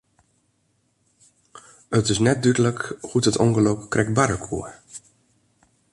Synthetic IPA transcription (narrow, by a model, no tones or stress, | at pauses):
ətɪsnɛt̚dydələkhutətɔ̰ŋɡəlowkkːrɛk̚baɾəkʰṵə